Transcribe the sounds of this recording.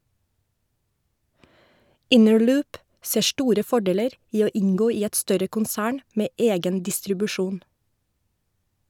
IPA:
ˈɪnəɹˌlʉːp ˈseː ˈʃʈuːɾə ˈfɔɖeːləɾ ˈiː ˈoː ˈɪŋˌɡoː ˈiː ˈɛt ˈstœɾə kʊnˈsæːɳ ˈmeː ˈeːɡən dɪstɾʉbʉˈʃuːn

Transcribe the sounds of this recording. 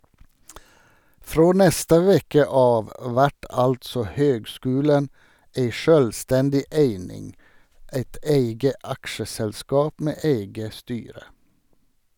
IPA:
ˈfɹoː ˈnɛstə ˈʋɛkə ˈɑːʋ ˈʋæʈ ˈɑltsɔ ˈhøːɡˌskʉːlən ˈæɪ ˈʃøːlˌstɛndɪ ˈæɪnɪŋ ˈæɪt ˈæɪɡə ˈɑkʃəsɛlˌskɑːp ˈmeː ˈæɪɡə ˈstyːɾə

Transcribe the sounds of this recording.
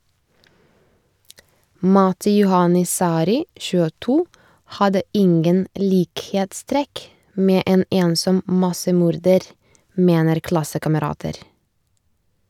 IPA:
ˈmɑtɪ ˈjʊhɑnɪ ˈsɑːɾɪ çʉːəˈtuː ˈhɑdə ˈɪŋɡən ˈliːkheːtˌstɾɛk ˈmeː ˈeːn ˈeːnsɔm ˈmɑsəˌmuːɾdəɾ ˈmeːnəɾ ˈklɑsəkɑməˌɾɑːtəɾ

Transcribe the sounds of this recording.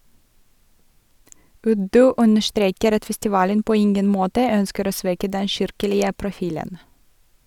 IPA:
ˈʉdʉ ˈʔʉnəʃˌtɾeːkəɾ ˈɑt fɛstɪˈʋɑːlən ˈpoː ˈɪŋɡən ˈmoːtə ˈœnskəɾ ˈoː ˈsʋɛkə ˈdɛ ˈʃɪɾkəlɪə pɾʊˈfiːlən

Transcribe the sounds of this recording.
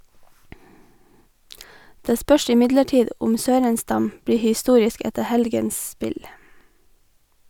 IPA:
ˈdeː ˈspœʃ ɪˈmɪdləˌʈiːd ˈʊm ˈsøːɾənˌstɑm ˈbɽiː hɪˈstuːɾɪsk ˈɛtə ˈhɛlɡəns ˈspɪl

